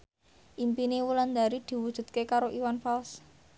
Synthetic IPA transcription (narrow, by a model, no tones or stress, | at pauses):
ʔimpinewuland̪aɾid̪̥i̤wud̥ʒ̥ṳd̪̥̚kekaɾoʔiwanfals